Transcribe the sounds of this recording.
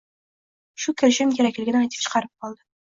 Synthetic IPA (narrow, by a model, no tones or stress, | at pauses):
ʃukʰʲɪ̆ɾʃɪmkʲeɾækʲlɪ̆ɡʲɪnajt̪ə̥pʃə̥qɑɾəp̚qɒlˠd̪ɪ